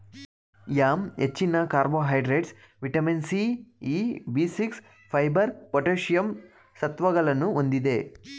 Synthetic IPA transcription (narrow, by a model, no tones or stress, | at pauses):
jaːmḛt͡ʃːinːɐkaːɾboːɦɐjɖɾeːɖs | ʋiʈɐminsiiːbiːsiks | pʰɐjbɐɾpoʈeːʃijɐm | sɐt̪ʋɐɡɐlɐnuond̪id̪e̞ː